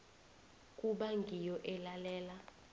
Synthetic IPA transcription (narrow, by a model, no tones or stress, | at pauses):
kʼuɓaŋɡʱijɔʔɛlalɛːla